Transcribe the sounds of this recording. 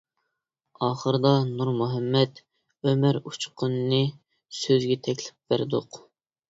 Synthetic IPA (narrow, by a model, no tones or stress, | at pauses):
ɑːχəɾɨd̪ɑnuɾmuɦɛmːɛt̪ | ømæɾut͡ʃʰqʰʊnːɨ | søzɡʲɛt̪ʰɛkʲlɪp̚væɾd̪ʊq